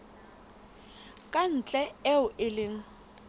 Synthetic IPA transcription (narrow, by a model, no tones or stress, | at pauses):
kʼan̩t͡ɬʼɛɛʊʔɪlɪŋ̩